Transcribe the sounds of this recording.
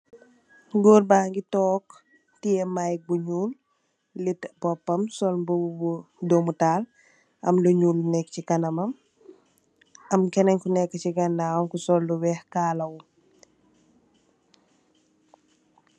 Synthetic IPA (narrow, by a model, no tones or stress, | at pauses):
ɡoːrbaːŋɡitɔːk | tijɛmajk̚buɲuːlː | itbɔpːɐmsɔlb | domutaːl | ʔɐ̰mluɲuːlnɛk̚cikɐnɐmɐm | ɐmkɛnɐɲkunɛkːəciɡɐndaːwɐmkusɔlːuwɛhkaːlɐw